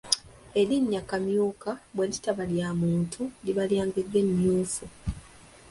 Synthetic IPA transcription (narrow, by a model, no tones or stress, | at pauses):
e̞ɾiɲːakamjuːkabwelitaβaljaːmuːntʰuliβaljaːŋɡedːe̞mjuːfu